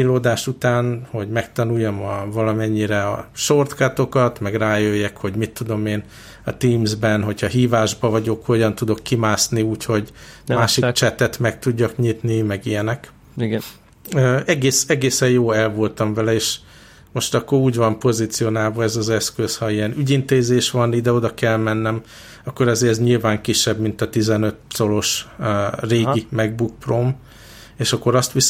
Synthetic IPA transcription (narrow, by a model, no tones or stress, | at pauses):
iloːd̪aːʃut̪aːnho̞ɟmɛk̚t̪ɒnujːɒmɒvɒlɒmɛɲːiɾɛɒʃo̞rt̪kɒt̪o̞kɒt̪mɛɡraːjøjːɛkho̞ɟmit̪ːud̪o̞meːn | ɒ̰t̪iːmzbɛnɦo̞chɒɦiːvaːʒbɒvɒɟo̞kho̞ɟɒn̪t̪ud̪o̞kːimaːsniuːcho̞ɟmaːʃikt͡ʃɛt̪ɛt̪mɛk̚t̪uɟːɒkɲit̪nimɛɡijɛnɛk | øɛɡeːsɛɡeːsɛjjoːɛlvo̞lt̪ɒɱvɛlɛeːʃ | mo̞ʃt̪ɒkːo̞ɾuːɟvɒmpo̞zit̪sijo̞naːlvɒɛzɒzɛskøshɒijɛnyɟint̪eːzeːʃʋɒnid̪ɛo̞d̪ɒkɛlmɛnːɛm | ɒkːoɾɛzeːɾɛzɲilvaːŋkiʃːɛbmint̪ɒt̪izɛnø̞t̪so̞lo̞ʃ | reːɡimɛɡ̚buk̚prom | eːʃɒkːo̞ɾɒst̪ʋi